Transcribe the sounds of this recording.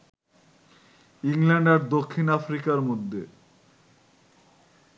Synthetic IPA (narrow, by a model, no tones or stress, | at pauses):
iŋlaɳɖaɾd̪okʰːinafɾikaɾmod̪ʱːe